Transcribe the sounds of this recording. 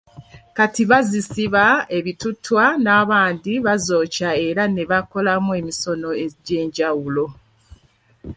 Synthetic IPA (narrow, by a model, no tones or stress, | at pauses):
katiβazisiβae̞βitutwanaːβaːndiβazo̞ːcae̞ɾane̞βako̞lamue̞miso̞noeɟe̞ːɲɟawulo̞